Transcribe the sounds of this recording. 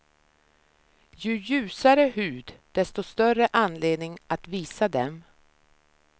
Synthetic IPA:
jɵjʉ̟ːsaɾəɦʉ̟ːd̪d̪̥ɛst̪ɔst̪œrəʔanːleːd̪nɪŋʔat̪viːsad̪ɛm

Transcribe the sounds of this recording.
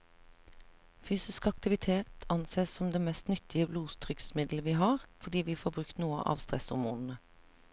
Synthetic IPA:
fyːsɪskɑk̚t̪ɪʋɪt̪ʰeːt̪ɑnseːssɔmd̪eːmɛst̪nʏt̪ʰɪəbluːt̪ʰʁʏksmɪd̪ləʋiːɦɑːʁfɔd̪iːʋiːfoːbʁʉkt̪nuːə̰ʔɑ̰ːʋst̪ʁɛ̰shʊɾmṵːnn̩ə

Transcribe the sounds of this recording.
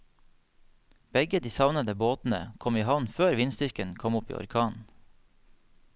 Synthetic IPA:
b̥ɛɡəd̪iːsɑʋnəd̪əboːt̪n̩ə̰kʰɔmiːhɑʋnføːɾʋɪnst̪ʏɾkənkʰɔmʊpḭːʔɔ̰ɾkʰɑːn

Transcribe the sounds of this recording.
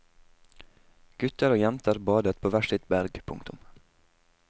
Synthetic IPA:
ɡ̥ʉt̪əɾoːjɛmt̪əɾbɑːd̪ət̪̚pʰoːʋæʃɪt̪bæɾɡpʰʊ̰ŋt̪ʊ̰m

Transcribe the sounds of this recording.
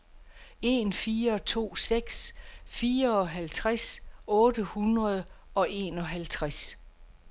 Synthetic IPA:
e̝̰ːnfiːɐɒ̽t͡sʰo̝̰ːseɡ̥sfiːɐɒ̽ɦælt͡sʰʁasɔ̽ːd̥əhunʁɐð̞ˠɒ̽ʔe̝̰ːnɒ̽ɦælt͡sʰʁas

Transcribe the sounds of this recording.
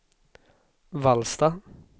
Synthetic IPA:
ʋɑlsd̪ɑː

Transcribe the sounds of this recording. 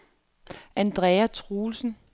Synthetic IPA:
ʔænd̥ʁɛːæt͡sʰʁuːlsn̩

